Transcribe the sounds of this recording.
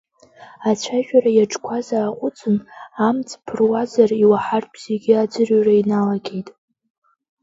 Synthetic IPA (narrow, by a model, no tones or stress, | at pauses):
at͡ɕʷʰaʒᶣaɾajaʈ͡ʂʼkʷʰazaːqʷʼʊt͡sʼɨnamt͡sʰʼpʰɨrwazariwaħarpʷʰʼz̥eɡʲɪad͡zɨrɥrainalaɡʲejtʼ